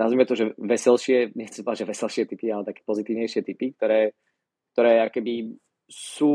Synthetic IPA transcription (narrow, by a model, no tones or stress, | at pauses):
azmɛmɛt̪ɔʒɛʋɛsɛlʃɪɛɲɛxtt͡sɛ̥mspɔad͡ʒʒɛʋɛsɛlʃɪɛt̪ipialɛt̪akɛ̥ːpɔzit̪iːʋɲɛjʃɪɛt̪ipik̚t̪ɔɾɛː | k̚t̪ɔɾɛːakɛbi | suː